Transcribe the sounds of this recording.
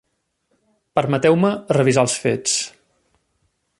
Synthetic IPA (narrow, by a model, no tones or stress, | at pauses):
pəɾmət̪ɛwmərəβizalˠsfet͡s